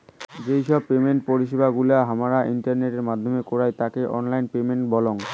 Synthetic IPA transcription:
d͡ʑejʃɔb̚pemeɳʈ̚poɾiʃibaɡulaɦamaɾaʔiɳʈaɾneʈeɾmad̪ʱːomekɔɾajt̪akeʔɔ̰nlajnpemeɳʈbɔloŋ

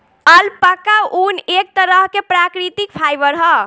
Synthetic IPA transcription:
əlpəkaʔunek̚t̪əɾəɦkepɾakɾit̪ik̚pʰajbəɾɦə

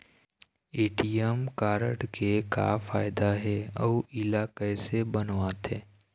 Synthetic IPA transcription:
eːʈijəmkaːɾəʈkeka̰faːɪd̪aɦɛɔːʔɪlaːkesebənʋat̪ɦeː

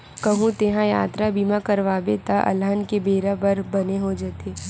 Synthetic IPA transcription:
kɐɦũt̪eːɦãjaːt̪ɾabimãkɐɾʋaːbet̪aʔɐ̰lənkebeːɾabɐɾbɐneɦod͡ʒaːt̪eː

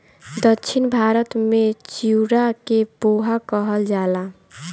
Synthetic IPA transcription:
d̪əkːt͡ʃʰinbʱaɾət̪met͡ʃiuɾakeboɦakəɦəld͡ʒala

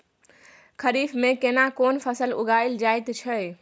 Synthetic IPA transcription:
kʰəɾifʰmẽkenakoːnpʰəsəlṵɡʱaɪld͡ʒajt̪t͡ʃʰəj

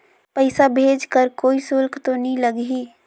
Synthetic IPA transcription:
pəɪsabʱeːd͡ʒkəɾkoːisʊlkʰt̪onəĩləɡɦi

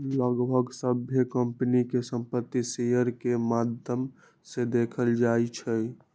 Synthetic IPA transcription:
ləɡbʱəɡsəbʱjəkəmpnikesəmpət̪ːisejəɾkemad̪ʱjəm | sed̪ekʰəld͡ʒajt͡ʃʰɛ

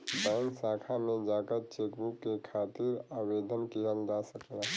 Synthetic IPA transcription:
baŋksakʰamed͡ʒakəɾt͡ʃekbukːekʰat̪iɾabed̪ʱənkiɦəld͡ʒasəkla

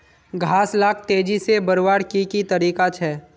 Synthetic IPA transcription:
ɡʱaːslaːk̚ʰt̪eːd͡ʒisebɐɾwaːɽkikit̪ɐɾiːkat͡ʃʰɛː

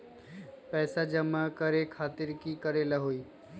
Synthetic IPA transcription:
pɛːsad͡ʒəmakəɾekʰaːt̪ɪɾkikəɾeːlaɦoːiː

